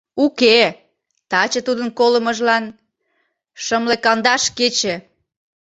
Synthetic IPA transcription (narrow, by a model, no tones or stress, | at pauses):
uke | t̪ɑt͡ɕət̪ud̪ənkoləməʒlɑn | ʃəmlekɑnd̪ɑʃket͡ɕe